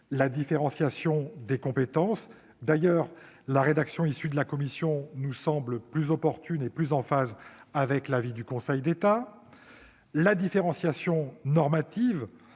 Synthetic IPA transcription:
lad̪ifeʁɑ̃sjasjɔ̃d̪ekɔ̃pet̪ɑ̃s | d̪ajœʁ | laʁed̪aksjɔ̃isyd̪əlakɔmisjɔ̃nusɑ̃bləplyzɔpɔʁt̪yneplyzɑ̃fazavɛklavid̪ykɔ̃sɛjd̪et̪a | lad̪ifeʁɑ̃sjasjɔ̃nɔʁmat̪iv

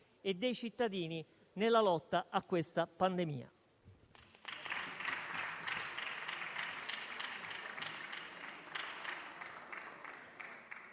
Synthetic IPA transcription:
ed̪ːejt͡ʃit̪ːad̪iːni | nelːalɔt̪ːaʔakːwest̪apand̪emḭːa̰

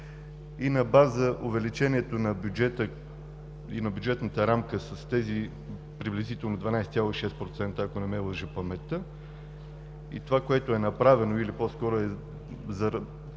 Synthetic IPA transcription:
inɐbazəʔʊvɛlit͡ʃɛniɛt̪onɐbjud͡ʒɛt̪ə | ḭnɐbʲjud͡ʒɛt̪nət̪əɾamkəsəst̪ɛzi | pɾiblizit̪ɛlˠnod̪vɐnajsɛt̪ʲjalˠoiʃɛspɾot̪sɛnt̪əːkonɛmɛlˠəʒəpɐmɛt̪ə | ḭt̪ovakoɛt̪oɛnɐpɾavɛnoilipɔskɔɾoɛ | zɐɾ

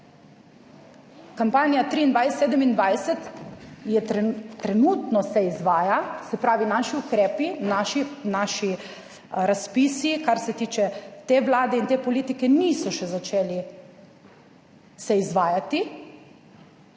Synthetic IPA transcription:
kampaːnijat̪ɾiːnd̪ʋajseːd̪ɛmind̪ʋajsɛt̪jɛɛt̪ɾɛnuːt̪nɔsɛizʋaːjasɛpɾaːʋinaːʃiukɾɛːpinaʃinaːʃi | ɾaspiːsikaɾsɛt̪iːt͡ʃɛt̪eːʋlaːd̪ɛint̪eːpɔliːt̪ikɛniːsɔʃɛzat͡ʃeːli | sɛizʋaːjat̪i

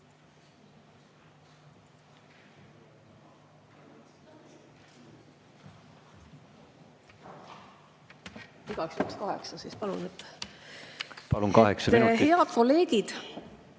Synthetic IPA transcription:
iɡ̥ɑksykskɑɦḛksɑsispɑlṵnet̪ːˑ | pɑlunkɑheksɑmeieɦ̪e̞ɑd̪̥̚ko̞le̞ːɡid̪̥

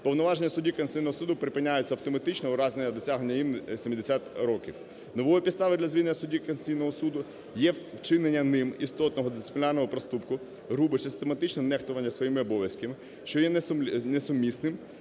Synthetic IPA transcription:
pɔwnɔʋɑʒenʲːɐsʊdʲiknʲsʲijnɔɦɔsud̪ʊpɾɪpɪnʲːajʊt͡sʲɐwt̪ɔmɐt̪ɪt͡ʃnɛʊɾɑzenʲnːɐd̪ɔsʲaɦenʲːɐjimnsʲimʲid̪esʲat̪ɾɔkʲiw | nɔʋɔjipʲid̪st̪ɑʋɪd̪lʲɐzʋʲilenʲːɐsʊdʲikensʲijnɔɦɔsud̪ʊ | jɛwt͡ʃɪnenʲːɐnɪmist̪ɔt̪nɔɦɔd̪ɪssɪplʲɑrnɔɦɔpɾɔst̪upkʊ | ɾubɪsɪsɪst̪emɐt̪ɪt͡ʃnɔnɛxt̪ʊʋɐnʲːɐsʋɔjimɪɔbɔʋʲjɐskɐmɪ | ʃt͡ʃɔjɛnnesʊmʲːisnɪm

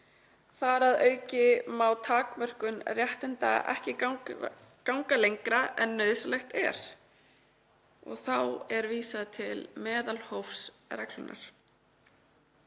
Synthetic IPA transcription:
θaɾaðœːɥcɪmawt̪ʰaːkmœr̥kʏnrjɛht̪ɪnt̪a̰ɛ̰hcɪ | kawŋkalejŋkɾaʔɛnːœɥðslɛxt̪ɛ̰ɾ̥ | ɔ̰ɣθawɛɾviːsaðt̪ʰɪlmɛːðalhowfsrɛklʏnʔa̰ɾ̥

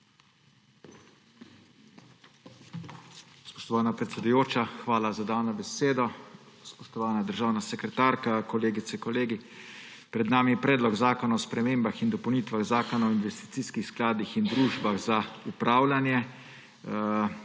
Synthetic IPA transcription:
spɔ̥ʃt̪ɔʋaːnapɾɛt̪sʲɛd̪ujoːt͡ʃaxʋaːlazad̪aːwnɔbɛseːd̪ɔspɔʃt̪ɔʋaːnad̪əɾʒaːwnasɛkɾɛt̪aːɾkakɔleːɡit̪sɛkɔleːɡi | pɾɛd̪naːmiɛpɾɛːd̪lɔɡzaːkɔnaɔspɾɛmeːmbaxind̪ɔpəwniːt̪ʋaɣzaːkɔnaɔinʋɛst̪i̥t̪siːskixsklaːd̪ixind̪ɾuːʒbaɣzaupɾaːwlanjɛ

